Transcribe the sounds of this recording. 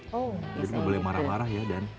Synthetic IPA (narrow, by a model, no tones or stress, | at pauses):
od͡ʒadiməbolɛmaɾahhmaɾahjadan